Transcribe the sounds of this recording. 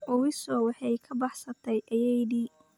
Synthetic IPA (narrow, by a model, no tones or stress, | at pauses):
ʔɔwɪsɔwɑħɑjkʰɐbɑħsɐt̪ʰɛjʔɐjɛjdiː